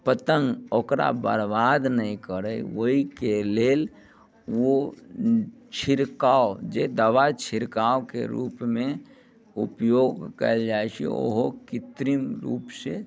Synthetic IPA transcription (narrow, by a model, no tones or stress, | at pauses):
pət̪əŋɡoːkɾa̰bə̰ɾbaːd̪nəĩkəɾəiʋoɦikeleːl | wo | t͡ʃʰɪɾkaːod͡ʒed̪əʋat͡ʃʰɪɾkaːokḛɾṵːpmẽ | ṵpjoːɡkə̰ld͡ʒaːet͡ʃʰḭo̰ɦokɪt̪ɾimɾṵːpse